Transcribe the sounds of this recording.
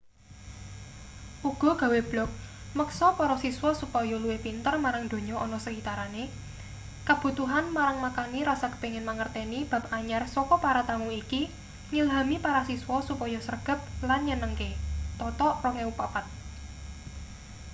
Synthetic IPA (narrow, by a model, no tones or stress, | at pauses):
ʔuɡ̥ɔ̤ɡ̥ä̤web̥lɔk̚məksɔpɔɾɔsiswɔsupɔjɔluwepint̪ərmaɾaŋd̪̥o̤ɲɔʔɔnɔsəɡit̪aɾane | kab̥ṳt̪uɦanmaɾaŋmakaniɾasakə̥peŋɪnmaŋərt̪enib̥a̤p̚aɲarsɔkɔpaɾat̪aŋuiki | ɲilɦamipaɾasiswɔsupɔjɔsərɡ̥ə̤p̚lanɲənəŋket̪ɔt̪ɔʔrɔŋeupapat̪̚